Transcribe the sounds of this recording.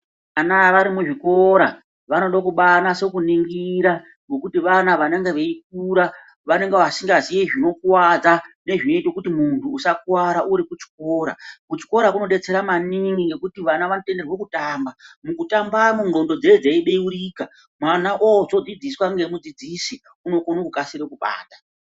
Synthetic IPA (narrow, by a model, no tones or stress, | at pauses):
anaʋaɾimuʐiko̞ɾa | ʋano̞ɗokuɓanase̞kuniŋɡiɾa | ŋɡo̞kutiʋanaʋaneŋɡe̞ʋe̞ik̚uɾa | ʋane̞ŋɡeʋasiŋɡazijeʐino̞kuwad͡zane̞ʐino̞itokutimuntʰuːsak̚uwaɾaʔuɾikut͡ʃi̥ko̞ɾa̰kut͡ʃi̥ko̞ɾakuno̞ɗe̞t͡se̞ɾamaniŋɡiŋɡe̞kutiʋanaʋanote̞nde̞rwo̞kutaːmbamukutambamuŋo̞ndo̞d͡zed͡zeiɓeuɾiːka | mwanaʔozo̞d͡zid͡ziswaŋɡe̞mud͡zid͡zisi | uno̞konokukasiɾekuɓa̰ːtḁ